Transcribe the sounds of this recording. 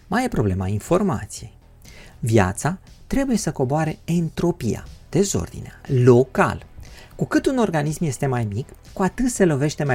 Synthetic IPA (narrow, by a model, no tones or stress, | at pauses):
majepɾo̞ble̞mainfo̞rma̰t̪sije̞j | vja̰t̪sat̪ɾe̞buje̞səko̞boaɾe̞ent̪ɾo̞pija̰d̪̥e̞zo̞̰rd̪ḭnealo̞ka̰lkukɨt̪uno̞rɡanismje̞st̪e̞majmikːuat̪ɨt̪se̞lo̞ve̞ʃt̪e̞ma